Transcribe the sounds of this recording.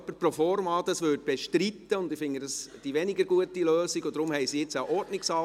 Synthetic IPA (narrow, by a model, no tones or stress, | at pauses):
pːəɾpɾɔfɔɾmɑːd̥ɑsʋʏːt̚b̥eʃtɾitːəʊndɪfɪŋːəd̥ɑsd̥iʋɛnɪɡəɾɡuətiløːsiɡɔd̥ɾʊmhɛjsiɪt͡saʔɔɾdnɪksɑ